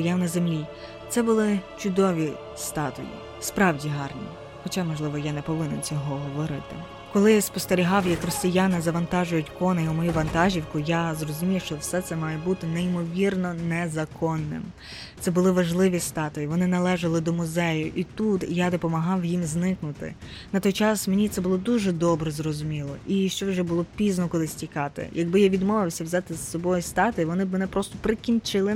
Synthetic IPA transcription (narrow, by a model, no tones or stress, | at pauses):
jawnɐzemlʲi | t̪sɛbʊlˠɪt͡ʃʊd̪ɔʋʲi | st̪ɑt̪ɔ̰jḭ | spɾɑwdʲiɦɑrnʲḭ | xɔt͡ʃamɔʒlˠɪʋɔjanɛpɔʋɪnent͡sʲɔɦɔɦɔʋɔɾɪt̪ɪ | kɔlˠɪspɔst̪eɾʲiɦɑwjɐkrɔsʲijanɪzɐʋɐnt̪ɑʒʊjʊtʲkɔnɐumɔjuʋɐnt̪ɑʒʲiwkʊjazrɔzʊmʲiwʃt͡ʃɔwsɛt̪sɛmɑjɛbut̪ɪneimɔʋʲirnɔnɛzɐkɔnːɪ̰m | sɛbʊlˠɪʋɐʒlˠɪʋʲist̪ɑt̪ɔjiʋɔnɪnɐlˠɛʒɐlˠɪd̪ɔmʊzɛjʊʔit̪ut̪jad̪ɔpɔmɐɦɑwjimznɪknʊt̪ɪ̰nɐt̪ɔjt͡ʃɑsmenʲit̪sɛbʊlˠɔd̪uʒɛd̪ɔbɾɛzrɔzʊmʲilˠɔʔiʃt͡ʃɔwʒɛbʊlˠɔpʲiznɔkɔlˠɪsʲtʲikɑt̪ɪ̰jʔɐɡ̚bɪjaʋʲid̪mɔʋɪwsʲɐwzʲɑt̪ɪzsɔbɔjʊst̪ɑt̪ɔjiʋɔnɪbmenɛpɾɔst̪ɔpɾɪkʲinʲt͡ʃɪlˠɪ